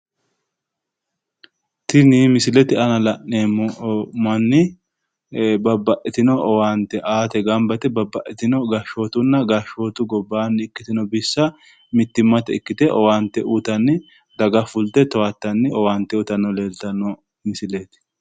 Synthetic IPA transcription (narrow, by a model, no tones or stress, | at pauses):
t̪ɪnimɪsɪlɛt̪ɪɐnɐlɐʔneːmmɐnːɪ | bɐbːɐʔɛt̪ɪnɔʔɔwaːnt̪ɛʔaːt̪ɛɡɐmbɐt̪ɛbɐbːɐʔɛt̪ɪnɔɡɐʃo̞ːt̪ʊnːɐɡɐʃo̞ːt̪ʊɡɔbːaːnːɪɪkːɪt̪ɪnɔbɪsːɐ | mɪt̪ːɪmːɐt̪ɛɪkːɪt̪ɛʔɔwaːnt̪ːɛʔuːt̪ɐnːɪ | d̪ɐɡɐfʊlt̪ɛt̪ɔwat̪ːɐnːɪɔwaːnt̪ːɛʊt̪ɐnːɔle̞ːlt̪ɐnːɔ | mɪsɪlɛt̪ɪ̥